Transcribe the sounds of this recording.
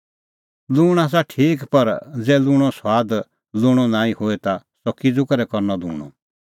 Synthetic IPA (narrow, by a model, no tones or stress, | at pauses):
luːɽ̃aːs̬aʈʰiːkpɐɾd͡zɛːlʊːɽ̃ɔswaːd̪ | lʊːɽ̃ɔnãːĩhoɛt̪a | sɔkid͡zʊkɾɛkɔɾnɔlṵ̃ːɽ̃ɔ̰̃